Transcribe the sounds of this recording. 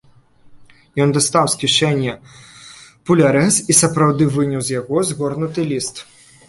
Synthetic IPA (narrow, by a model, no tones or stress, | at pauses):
jɔnd̪ɐst̪awsʲkʲiʂɛnʲːɐ | pulʲaɾɛsisɐpɾawd̪ɨvɨnʲuwzʲjaɣɔzɣɔrnʊt̪ɨlʲist̪